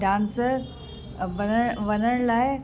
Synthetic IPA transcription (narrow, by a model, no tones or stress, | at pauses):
ɖãːnsəɾ | ʋənəʋɐnəɽ̃laːɪ